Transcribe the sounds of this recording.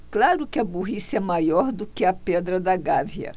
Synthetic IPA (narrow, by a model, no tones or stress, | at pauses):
klaɾʊkɪɐbuɦisɛmajɔɾd̪ʊkɪɐpɛd̪ɾɐd̪ɐɡaviɐ̰